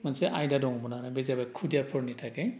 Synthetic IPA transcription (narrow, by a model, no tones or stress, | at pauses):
mansɛʔajdadɔŋbɔnanabɛzabajkʰudijapʰɔɹnitʰakɛ